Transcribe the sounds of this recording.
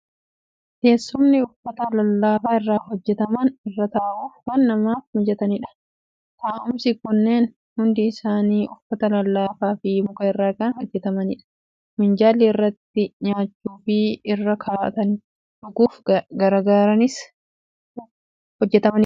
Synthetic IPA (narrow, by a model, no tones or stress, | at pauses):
ke̞ːsːʊmnɪʊfːɐt̪ɐlɐlːaːfaːɪrːaːɦɔd͡ʒːɛt̪ɐmɐnɪrːɐt̪aːʔuːfwɐnːɐmaːfmʊd͡ʒːɛt̪ɐnɪᶑɐ̥ | t̪aːʔʊmsɪkʊnːe̞ːn | hʊnd̪ɪːsaːniːʔʊfːɐt̪ɐlɐlːaːfaːfɪmʊkɐɪrːaːkɐnhɔd͡ʒːɛt̪ɐmɐnɪᶑɐ̥ | mɪnd͡ʒaːlːiɪrːɐt̪ːɪɲaːt͡ʃːuːfɪɪrːɐkʰaːt̪ɐn | ᶑʊkuːfɡɐɾɐɡaːɾɐnɪs | hɔd͡ʒːɛt̪ɐmɐnɪ